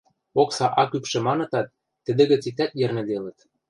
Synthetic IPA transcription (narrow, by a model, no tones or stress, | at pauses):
oksɑʔɑkypʃĕmɑnɤ̆t̪ɑt̪ː | ə̆d̪ɘ̆ɣɘ̆t͡sit̪æt̪jĕrnɘ̆d̪elə̆t̪